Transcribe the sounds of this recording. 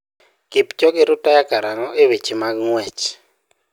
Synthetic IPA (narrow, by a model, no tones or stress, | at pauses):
kipt͡ʃɔkɪɾʊtajakaɾaŋɔʔewet͡ʃimaɡŋwɛt͡ʃ